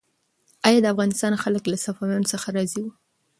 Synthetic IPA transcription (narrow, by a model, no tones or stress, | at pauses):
ɑjɑd̪əafɣɑnɪst̪ɑnxaləklasafɑwjɑnosəxaɾɑziwu